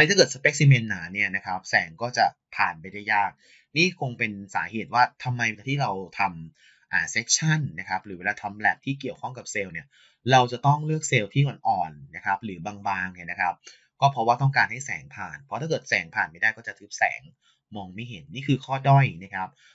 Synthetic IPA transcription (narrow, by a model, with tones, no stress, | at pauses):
a˧t̪ʰa˥kɤː˨˩t̚sa˧pe˦˥k̚si˧me˧nːaː˩˦ni˥˩ɐna˦˥kʰa˦˥p̚sɛː˩˦ŋkɔː˥˩t͡ɕa˨˩ | pʰaː˨˩npa˧jda˥˩jaː˥˩k̚ | niː˥˩kʰo˧ŋpe˧nsaː˩˦heː˨˩t̪̚waː˥˩t̪ʰa˧mːa˧jɛː˨˩t̪ʰiː˥˩ɾa˧wt̪ʰa˧m | ʔaː˨˩seː˦˥t̪̚t͡ɕʰa˥˩nːa˦˥kʰa˦˥p̚ɾɯː˩˦e˧laː˧t̪ʰa˧mlɛ˨˩p̚t̪ʰiː˥˩ki˨˩əwkʰɔ˥˩ŋka˨˩p̚seː˧wni˦˥˩ɐ | ɾa˧wt͡ɕa˨˩t̪ɔ˥˩ŋlɯ˥˩ək̚se˧wt̪ʰiː˥˩ŋo˧nʔɔː˨˩nːa˦˥kʰa˦˥p̚ɾɯː˩˦baː˧ŋbaː˧ŋni˧˥˩na˦kʰa˦˥p̚ | kɔː˥˩pʰɾɔ˦waː˥˩t̪ɔ˥˩ŋkaː˧nha˥˩jsɛ̰ː˩˦ŋpʰaː˨˩npʰɔ˧˦t̪ʰaː˥˩kɤː˨˩t̪̚sɛː˩˦ŋpʰaː˨˩npa˥˩jdaː˥˩jkɔː˥˩t͡ɕa˨˩t̪ʰɯː˦˥p̚sɛ̰ː˩˦ŋ | mɔː˧ŋma˥˩jɦe˨˩˦nːiː˥˩kʰɯː˧kʰɔː˥˩dɔ˥˩jna˦˥kʰa˦˥p̚